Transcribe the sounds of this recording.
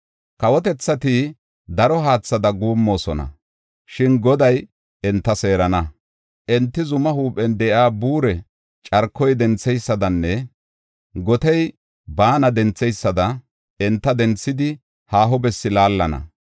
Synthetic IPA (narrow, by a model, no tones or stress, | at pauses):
kɐwɔt̪ɛt͡sːɐt̪i | d̪ɐɾɔɦaːt͡sːɐd̪ɐɡuːmːo̞ːsɔnɐ̰ | ʃɪnɡɔd̪ɐj | ɛnt̪ːɐse̞ːɾɐnɐ | ʔɛnt̪ːɪzʊmɐhuːpʼːɛnd̪ɛʔaːbuːɾɛ | t͡ʃʼɐɾkːɔjd̪ɛnt͡sːɛjsːɐd̪ɐnːɛ | ɡɔt̪ɛj | baːnɐd̪ɛnt͡sːɛjsːɐd̪ɐ | ɛnt̪ːɐd̪ɛnt͡sːɪd̪ɪ | haːɦɔbɛsːɪlaːlːɐnɐ̰